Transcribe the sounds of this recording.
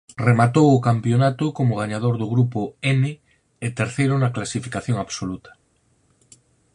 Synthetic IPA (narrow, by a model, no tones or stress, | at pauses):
remat̪owʊkampjonat̪okomoɣ̞aɲað̞oɾðoɣɾupoene | et̪eɾθejɾonaklasifikaθjoŋaβsolut̪ḁ